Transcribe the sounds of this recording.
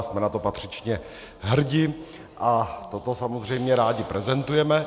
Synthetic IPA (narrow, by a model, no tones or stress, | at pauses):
smɛnat̪o̞pat̪r̝̥ɪt͡ʃɲɛ | ɦr̩ɟɪ | ʔat̪ot̪osamozr̝ɛjmɲɛɾaːɟɪpɾɛzɛnt̪ujɛmɛ